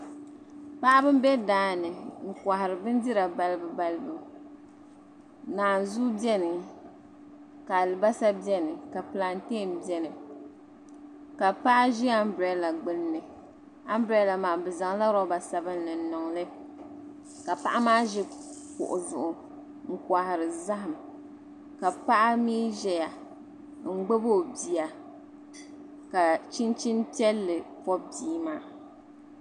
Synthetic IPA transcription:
pa˦ʔa˦bɨ˦m˦bɛ˦daː˦nɨ˨ŋ̩˨ka˨hɪ˨ɾɨ˨bɨ˦n˦di˦ɾa˨ba˦lɨ˦bɨ˦ba˦lɨ˦bɨ˨ | naː˨nzu˦bɛ˦nɨ˨ | ka˨lɨ˨ba˦sa˦bjɛ˦nɨ˨ka˨pɨ˨la˨n˦teː˦˨nbɛ˦nɨ˨ | ka˨pa˦ʔa˦ʒi˦a˦m˦bɾɛ˦la˨ɡ͡bɨ˦lːɨ˨ | a˦m˦bɾɛ˦la˨maː˨bɨ˨za˨ŋla˦ɾɔ˦ba˨sa˨bɨ˦n˦nɨ˨n˦nɔ˨ŋlɨ˦ | ka˨pa˦ʔa˦maː˦ʒɪ˦pʊ̰˨ʔʊ˨zʊ˨ʔʊ˨ | ŋ̩˨kwa˨hɪ˨ɾɨ˨za˦ɦa˨m | ka˨pa˦ʔa˦miː˦ʒɛ˨ja˨ | ŋ̩˦ɡ͡be˦bo˦˨bi˨a˨ | ka˨t͡ʃi˦nt͡ʃi˦npi˦ɛ˦lːɨ˨pɔ˦biː˦maː˨

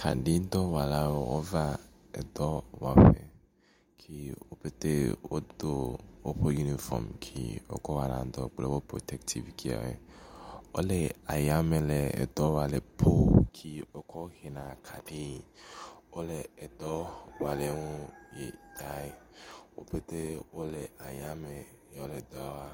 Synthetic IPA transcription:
kʰa̰˨ɖi˦d̪ɔ˦wa˨la˦wo˦wo˦va˦ | ɛ̰˨d̪ɔ˦wa˨ɸe˨ | kʰi˦wo˦pe˦t̪e˦wo˦d̪o˦wo˦ɸo˦ju˦ni˦fɔ̰˨mkʰḭ˦o̰˦kɔ˦wa˨nã̰˨d̪ɔ˨ɡ͡ble˨wo˦pɾo̰˨t̪ɛ˨kt̪ʰi˨vkʰi˦a̰˨mḛ˨ | wo˦lɛ˨a˨ja˦me˨le˨ɛ̰˨d̪ɔ˦wa˨le˨pʰo˦kʰi˦o˦kʰɔ˦xe˨nã˨kʰa˨ɖe˦˨wo˦le˨ɛ˨d̪ɔ˦wa˨le˨˦ŋũ˦je˨d̪a˨˦e˦wo˦be˦t̪e˦wo˦le˨a˨ja˦me˨˦ | o˦le˨d̪ɔ˦a˦wa˦

